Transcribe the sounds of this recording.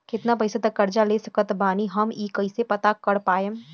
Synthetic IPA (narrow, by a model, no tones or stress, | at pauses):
kɪt̪napəɪst̪əkːəɾd͡ʒaleːsəkət̪baːniɦɐmiːkəɪsepɐt̪akəɽpaːjəm